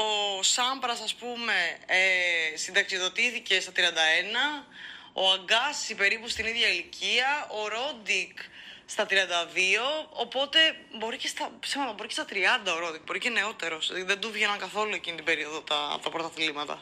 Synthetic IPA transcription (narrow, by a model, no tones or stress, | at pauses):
o̞sɐmbɾɐsɐspume̞esind̪ɐksioðo̞t̪iθice̞st̪ɐt̪ɾiɐnd̪ɐenɐ | o̰ɐŋɡɐsipe̞ɾipust̪iniðʝɐilicʰiɐoɾo̞d̪ikst̪ɐt̪ɾiɐnd̪ɐðio̞ːpo̞t̪e̞bo̞ɾice̞st̪ɐsiɣmɐt̪ɐbo̞ɾicest̪ɐt̪ɾiɐnd̪ɐoɾo̞d̪ik̚bo̞ɾice̞ne̞o̞t̪e̞ɾo̞sðend̪uvʝenɐŋkɐθo̞lue̞cinit̪ibe̞ɾioðot̪ɐ̰t̪ɐpɾot̪ɐθilimɐt̪ɐ̰